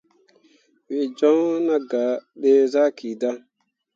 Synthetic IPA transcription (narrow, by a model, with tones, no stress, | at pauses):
wi˨d͡ʒɔ˦na˦ɡa˨ɗe˦za˦ki˨da˦